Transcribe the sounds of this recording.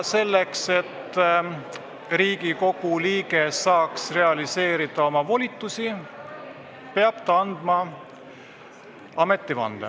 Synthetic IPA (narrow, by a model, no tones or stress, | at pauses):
se̞lːekse̞t̪ː | riːɡ̥iko̞ɡ̥uliːɡesɑːksre̞ɑlise̞ːɾid̪̥ɑo̞mɑvo̞lʲit̪ːˑusi | pe̞ɑb̥t̪ɑɑnd̪̥mɑ | ɑme̞t̪ːˑivɑ̰nd̪̥ḛ